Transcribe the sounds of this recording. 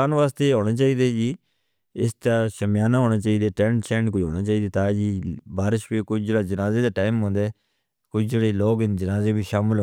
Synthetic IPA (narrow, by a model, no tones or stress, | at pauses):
aːnʋaːst̪eːɦoːɽ̃aːt͡ʃaːiːd̪eːd͡ʒiː | ɪst̪aːʃəmjaːnaːɦoːɽaːt͡ʃaːiːd̪eːʈɛ̃ːʈt͡ʃɛ̃ːɳʈkʊd͡ʒɦo̰ːɽ̃ãːt͡ʃaːiːd̪eːt̪aːd͡ʒiːbaːɾɪʃbiːkʊt͡ʃd͡ʒeːɽaːd͡ʒənaːzeːd̪aːʈaːɪmɦõːnd̪eː | kʊt͡ʃʰd͡ʒeːɽeːloːɡnd͡ʒənaːzeːbʱiːʃaːməlɦ